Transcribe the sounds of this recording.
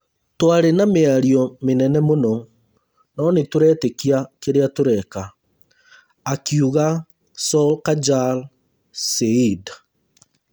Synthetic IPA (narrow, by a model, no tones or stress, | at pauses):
twaɾenameaɾiɔmenɛnɛmonɔ | nɔnetoɾɛtekiakeɾeatoɾɛka | kiuɣa | sɔlkad͡ʒal | seid